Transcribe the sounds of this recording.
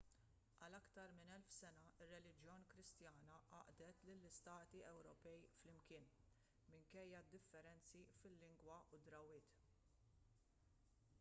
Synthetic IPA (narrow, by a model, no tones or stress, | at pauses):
ʔɐlɐkt̪ɐɾmɪnɛlfsɛnɐɪrːɛlɪd͡ʒjɔːnkɾɪst̪jɐːnɐʔɐ̰ʔd̪ɛt̪lɪlːɪst̪ɐːt̪iɛwɾɔpɛjflɪmkɪːn | mɪŋkɛjːɐd̪ːɪfːɛɾɛnt͡sifɪlːɪŋɡwɐʔʊd̪ɾɐwːɪːt̪